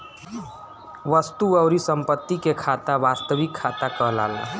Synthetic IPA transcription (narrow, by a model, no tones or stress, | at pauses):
ʋəst̪uəwɾisəmpət̪ːikekʰat̪abast̪əʋikʰːat̪akəɦla̰la̰